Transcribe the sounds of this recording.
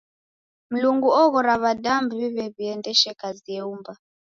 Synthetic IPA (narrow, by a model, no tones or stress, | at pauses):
m̩luŋɡuɔɣɔɾaβadambuβiβɛβiɛndɛʃɛkaziɛumba